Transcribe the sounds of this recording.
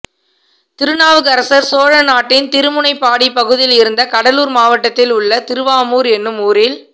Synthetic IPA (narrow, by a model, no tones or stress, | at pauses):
t̪ɪɾɯnaːʋɯkɐɾɐsɐɾsoːɻɐnaːʈːɪnt̪ɪɾɯmʊnɐɪpːaːɽipɐɣɯðɪjlɪɾɯnd̪ɐkɐɽɐluːɾmaːʋɐʈːɐt̪ːɪlʊɭːɐt̪ɪɾɯʋaːmuːɾɛnːɯmuːɾɪl